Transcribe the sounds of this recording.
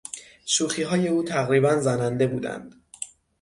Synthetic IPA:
ʃuːxiːɦɒːje̞uːt̪ʰæɣɾiːbænzænænd̪e̞buːd̪æ̰nd̪̥

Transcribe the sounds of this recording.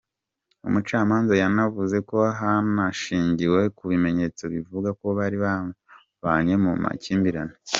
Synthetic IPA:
ṵmut͡ʃaːmaːnzajanavuze̞ko̞ɦanaʃiːɲɟiwe̞kuβime̞ɲe̞t͡so̞βivuɡako̞βaɾiβa | βaɲe̞muma̰ciːmbiɾane

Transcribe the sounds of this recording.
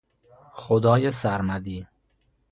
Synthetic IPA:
xod̪ɒːjesæɾmæd̪iː

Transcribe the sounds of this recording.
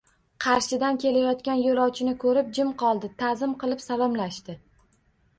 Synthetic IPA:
qʰɑɾʃɪd̪ankʲʰe̞lajɒt̪kʲanjolˠɒwt͡ʃʰɪnɪkʰɵɾɪp̚d͡ʒɪmqʰɒlˠd̪ɪt̪ʰazɪmqɨlˠɪpsalɒmlaʃt̪ɪ

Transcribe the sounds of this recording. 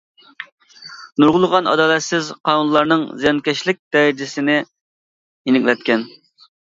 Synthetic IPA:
nuɾʁʊlˠəʁɑnɑ̰d̪ɑːlɛt̪sɪzqʰɑnunlˠɑɾnɨŋzjɛnkʲɛʃlɪk̚ʲd̪ɛɾd͡ʒɪsɪnɪ | inɪkʲlɛt̪̚kʲɛn

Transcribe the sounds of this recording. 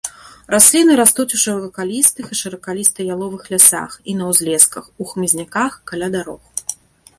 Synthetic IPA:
rasʲlʲinɨɾast̪ut͡sʲuʂɐvvɐkalʲist̪ɨxiʂɐɾɐkalʲist̪ɐjalˠɔvɨxlʲasa̰xinɐwzʲlʲɛskɐxuxmɨzʲnʲakaxkalʲad̪aɾɔx

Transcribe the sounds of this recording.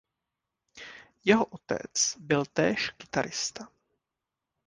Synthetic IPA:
jɛɦoʔot̪ɛ̰t͡sbɪlt̪ɛːʃkɪt̪aɾɪst̪a

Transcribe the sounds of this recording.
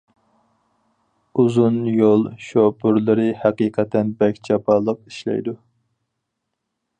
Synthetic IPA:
uzunjolˠʃobʊɾlˠɨɾɨhɛqiːqʰɛt̪ʰɛnbɛkʲt͡ʃʰɑpɑːlˠəq̚i̥ʃlɛ̰jd̪u

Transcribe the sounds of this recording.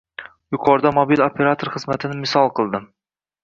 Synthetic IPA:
jʊqʰɒɾd̪amobilopʰe̞ɾat̪ʰoɾχɨzmat̪ʰɪnɪmɪsɒlˠqʰɨlˠd̪ɪm

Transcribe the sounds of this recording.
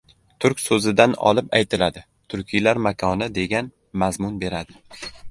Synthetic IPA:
t̪ʰʊɾkʲsɵzɪd̪anɒ̰lˠɪpajt̪ʰɪlad̪ɪ | t̪ʰʊɾkʲʰijlaɾmakʰɒnɪd̪e̞ɡʲan | mazmʊnbe̞ɾad̪ɪ

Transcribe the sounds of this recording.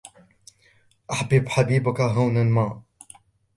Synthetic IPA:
ʔaħbɪbħabiːbʊkaɦawnanmaː

